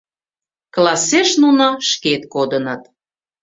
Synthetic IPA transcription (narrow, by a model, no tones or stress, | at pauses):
klɑseʃnunoʃket̪̚kod̪ənət̪